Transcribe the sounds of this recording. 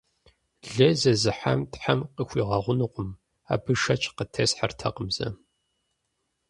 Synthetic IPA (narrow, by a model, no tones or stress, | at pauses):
ɮɐzɐzɨħa̰mtħamqəxʷiːʁɑʁʷʊnɨqʷʊm | a̰ːbɨʃɐt͡ʃʰʼqətʰɐsħartʰɐqəmzɐ̰